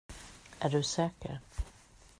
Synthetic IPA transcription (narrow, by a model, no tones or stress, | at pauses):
ʔæɖɵsɛːkə̰ɾ